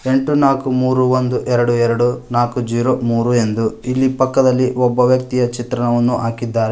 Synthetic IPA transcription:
eɳʈunaːkumuːɾuʋond̪uʔɛɾɐɽuɛɾɐɽunaːkud͡ʒiːɾomuːɾue̞nd̪uilːipɐkːɐd̪ɐlːiɔbːɐʋjɐk̚t̪ijɐt͡ʃit̪ɾɐnɐʋɐnːuʔaːkid̪ːaːɾe

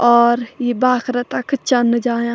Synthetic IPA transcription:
ɔːɾjibaːkʰɾət̪ɐkt͡ʃɐnːəd͡ʒaːjã

